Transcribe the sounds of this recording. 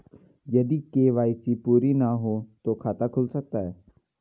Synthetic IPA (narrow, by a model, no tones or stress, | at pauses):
jɐd̪ikeːʋaːɪsiːpuːɾiːnaɦoːt̪oːkʰaːt̪akʰʊlsək̚t̪aɦɛː